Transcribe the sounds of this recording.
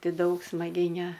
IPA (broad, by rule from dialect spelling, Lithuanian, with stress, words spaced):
ˈtʲɪ ˈdɐʊk smɐˈɡʲɛɪ nʲɛ